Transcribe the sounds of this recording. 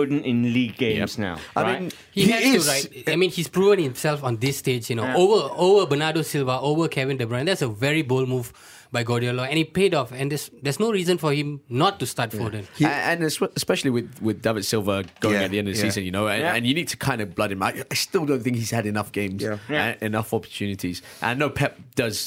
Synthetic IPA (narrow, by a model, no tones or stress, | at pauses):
d̃nɪ̃nliɡḛ̃sna̰ʊʔaɪĩn | hiɛstuɹɪt̚aɪmĩnhispɹuvə̃ŋhɪ̃msɛlfɔ̃nd̪ɪsːted͡ʒjunoovəovəbənadosɪlvəovəkʰɛvɪ̃ndɛbɹɔ̃nd̪ɛtsəvɛɹibolmuv | baɪɡɔdiəlɔɛ̃nhipedɔfɛ̃nd̪ɛsd̪ɛsnoɹiːzə̃nfɔhĩmnɔtːustatfɔdə̃nə̃nsəspɛʃl̩ˠiwɪðwɪðdavɨd̥sɪlˠvəɡ̥oʊɪŋɨt̪̚ðiɛ̃ndʌvðəsizə̃njɨnoʊə̃nɨ̃njɨniːd̚tʰə̥kʰãɪ̃ndəblʌɾɨ̃nmaɪaɪstɪlˠdõʊ̃nθɪ̃ŋkhiz̥hɨɾɨnʌfɡ̥ẽɪ̃mzəɪnʌfɔpə̥tʰʉnɪtʰiz̥ | ʔə̰̃nːoʊpʰɛp̚d̥ʌz̥